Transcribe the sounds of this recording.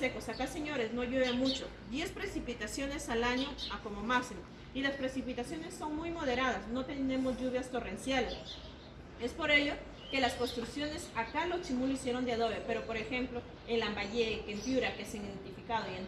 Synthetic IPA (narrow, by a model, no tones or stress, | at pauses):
sekosakase̞ɲo̞ɾe̞zno̞ʝeβemut͡ʃo̞̰ | d̪je̞spɾe̞sipit̪asjo̞ne̞salaɲo̞ako̞mo̞maksimo | ilaspɾe̞sipit̪asjo̞ne̞sːo̞ŋmujmo̞ð̞e̞ɾað̞asno̞t̪ene̞mo̞zʝuβ̞jast̪o̞re̞nsjales | e̞spo̞ɾe̞ʝo̞ | ke̞lasko̞nst̪ɾuksjo̞ne̞sakalot͡ʃimuloisje̞ɾo̞nd̪eaðo̞βepe̞ɾo̞po̞ɾe̞xe̞mplo̞ | elambaʝe̞kempjuɾakesiðent̪ifikað̞oen